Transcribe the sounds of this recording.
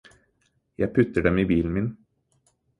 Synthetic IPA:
jæɪpʰʉt̪əɖɛmiːbiːln̩mɪn

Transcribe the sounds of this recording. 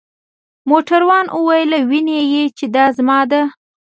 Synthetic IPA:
moʈaɾwɑnʔəwɑjlawinejet͡ʃed̪ɑzmɑd̪a

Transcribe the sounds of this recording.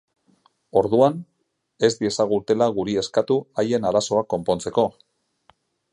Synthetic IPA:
o̞ɾðuan | e̞zd̪ie̞saɣ̞ut̪e̞laɣ̞uɾie̞skat̪uaje̞naɾaso̞ako̞mpo̞nt͡se̞ko̞

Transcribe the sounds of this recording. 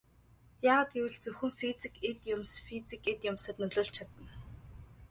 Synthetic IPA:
jaːʁaːt̪̚ɡewɘ̆ɮt͡sɵxɘ̆ŋfit͡sikʰet̪jʊmsfit͡siket̪jʊmsə̆t̪nɵɮʊːɬt͡ɕʰat̪ə̆n

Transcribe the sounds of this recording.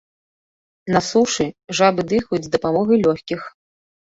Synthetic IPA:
nɐsuʂɨʐabɨd̪ɨxujud͡zʲzd̪ɐpamɔɣɐjlʲɔxʲkʲix

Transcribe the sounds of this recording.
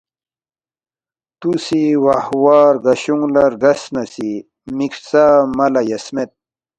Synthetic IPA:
t̪usiwahwaːɾɡɐɕuŋɡlɐɾɡɐsnasi | miksamɐlajɐsmet̪̚

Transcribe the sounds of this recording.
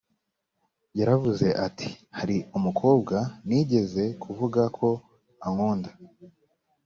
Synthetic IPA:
jaɾavuze̞ʔatʰi̥haɾiumukʰo̞ːb̚ɡaniɟe̞ze̞kʰuvuɡakʰo̞ | aŋuːnda

